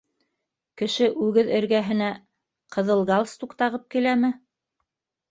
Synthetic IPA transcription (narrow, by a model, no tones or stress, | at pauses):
kɘ̆ʃɘʔʉɡɘðɘ̆ɾɡæɦɘ̆næ | qʰɤ̆ðɤ̆lˠɡɑlˠst̪uqt̪ɑʁɤp̚kilæmɘ